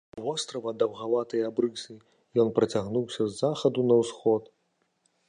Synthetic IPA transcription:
vɔst̪ɾɐvɐd̪ɐwɣavat̪ɐjabɾɨsɨ | jɔnpɾɐt͡sʲaɣnuwsʲɐzːaxɐd̪unɐwsxɔt̪

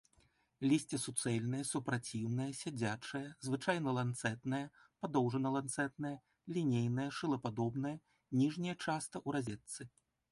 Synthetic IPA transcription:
lʲisʲt͡sʲɛsut̪sɛlʲnɨjɐsupɾat͡sʲiwnɨjɐsʲad͡zʲat͡ʂɨjɐzvɨt͡ʂajnɐlˠant̪sɛt̪nɐjɐpad̪ɔwʐɐnɐlˠant̪sɛt̪nɐjɐ | lʲinʲejnɨjɐʂɨlˠɐpad̪ɔbnɨjɐ | nʲiʐnʲijɐt͡ʂast̪ɐʔuɾazʲɛt̪sːɨ

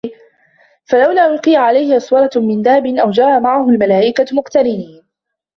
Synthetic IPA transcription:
falawlaːʔʊlqɨjaʕalajhɪʔɑsˤwɑɾˤɑmɪnd̪aːbɪnʔawd͡ʒɑːamaʕahʊlmalaːʔɪkamʊqt̪aɾɪniːn

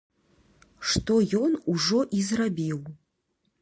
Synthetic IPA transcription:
ʂt̪ɔjɔnuʐɔʔizrabʲiw

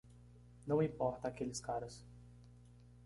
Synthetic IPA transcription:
nɐ̃w̃ĩpɔɾt̪ɐːkelɪskaɾɐs

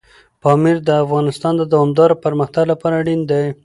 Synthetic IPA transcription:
pɑmiɾd̪əafɣɑnɪst̪ɑnd̪əd̪awɑmd̪ɑɾopəɾməxt̪aɡlapɑɾaɽind̪aj

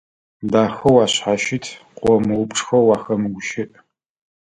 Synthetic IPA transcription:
daːxɐwaːɕħaʃɪtʰqʷʼɔmɨwʊpʼʈ͡ʂʼxɐwaːxɐmɡʷʊʃɪʔʼ

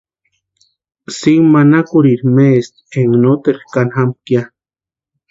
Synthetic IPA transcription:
simanakuɾiɾmest̪eŋnot̪eɾkanxamkja

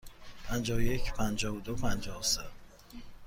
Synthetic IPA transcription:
pʰænd͡ʒɒːvojecʰpʰænd͡ʒɒːvod̪opʰænd͡ʒɒːse

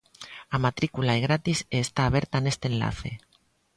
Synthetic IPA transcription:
amat̪ɾikulaeɣɾat̪iseːst̪aːβ̞eɾt̪anest̪enla̰θe̞̰

